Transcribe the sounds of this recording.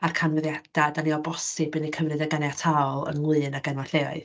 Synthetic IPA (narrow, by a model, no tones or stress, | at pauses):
arkʰanwɛðjad̥adaniɔbɔsɨbɨnikʰəvrɨdaɡanjatʰawɔlˠə̰nlˠɨːnaɡɛnwaɬea̰ɨð